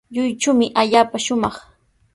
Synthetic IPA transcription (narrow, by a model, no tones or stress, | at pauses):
ʎʊjʈ͡ʂʊmɪʔaʎaːpaʃʊmɑχ